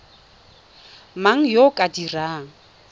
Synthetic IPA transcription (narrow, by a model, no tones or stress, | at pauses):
maŋ̩jokʼadiraːŋ̩